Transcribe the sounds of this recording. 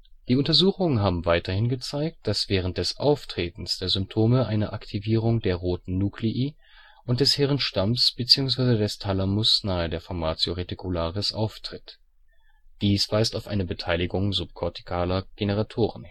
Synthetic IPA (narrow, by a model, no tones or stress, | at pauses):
d̥iːʊntɐzuːxʊŋənɦaːbm̩vaɪtɐhɪnɡət͡saɪk̚t̚d̥asv̥ɛːʁ̞ənt̚d̥ɛsʔaʊftʁ̥eːtn̩sd̥eːɐzʏmp̚tʰoːməʔaɪnəʔaktʰiviːʁ̞ʊŋdeːɐʁoːtn̩nukliʔiː | ʔʊnt̚d̥ɛshɛːʁənʃtamsb̥ət͡siːʊŋsv̥aɪzədɛstʰalamʊsnaːədeːɐfɔɐmaːt͡sjoʁetikʰulaːʁɪsʔaʊftʁ̥ɪt | d̥iːsv̥aɪstaʊfʔa̰ɪnəbətʰaɪlɪɡʊŋzʊp̚kʰɔɐtʰi̥kʰaːlɐɡ̥enəʁ̞atʰoːʁən